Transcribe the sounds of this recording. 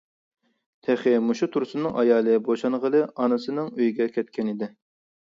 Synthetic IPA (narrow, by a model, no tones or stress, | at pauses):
t̪ʰɛχɪmuʃut̪ʰuɾsɨnɨŋʔɑjɑːlˠɨboʃɑnʁəlˠɨʔɑnɨsɨnɨŋøjɡʲɛkʲʰɛt̪̚kʲɛnid̪ɪ